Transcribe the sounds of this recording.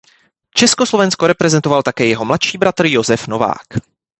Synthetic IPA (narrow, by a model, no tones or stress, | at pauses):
t͡ʃɛskoslo̞vɛnskoɾɛpɾɛzɛnt̪o̞valt̪akɛːjɛɦo̞mlat̪ʃiːbɾat̪r̩jo̞zɛfno̞va̰ːk